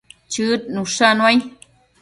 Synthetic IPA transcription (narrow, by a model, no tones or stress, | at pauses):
t͡ʃɨt̪̚nũʂanwaj